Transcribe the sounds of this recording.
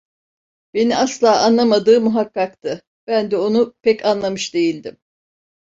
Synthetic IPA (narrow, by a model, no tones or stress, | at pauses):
be̞niaslˠaːʔanlˠamad̪ɯːmuɦakːakt̪ʰɯ | b̥ænd̪ɛo̞nupʰɛcʰanlˠamɯʃd̪e̞jilʲd̪im